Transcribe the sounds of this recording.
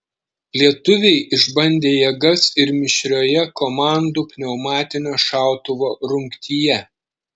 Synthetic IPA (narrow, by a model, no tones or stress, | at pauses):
lʲiɛt̪ʊʋʲɛɪʔɪʒbɐnʲd̪ʲeːjɛɡɐsɪɾmʲɪʃʲɾʲoːjɛkomɑˑnd̪uːpʲnʲɛʊmɑːt̪ʲɪnʲoːʃɑˑʊt̪ʊʋoːɾʊŋʲkt̪ʲiːjɛ